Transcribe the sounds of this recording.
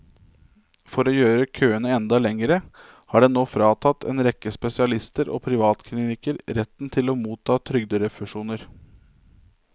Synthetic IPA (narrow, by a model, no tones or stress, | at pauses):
fɔɾoːjøːɾəkʰøːənəɛnd̪ɑlɛŋəɾə | hɑːɖɛnoːfɾɑːt̪ʰɑt̪ːʰɛ̰ːnɾɛkːəspɛsɪɑlɪst̪əɾo̰ːpʰɾɪʋɑːt̪kʰlɪnɪkəɾɾɛt̪ːnt̪ʰɪloːmuːt̪ʰːɑːt̪ʰɾʏɡ̚d̪əɾəfʉʂuːnəɾ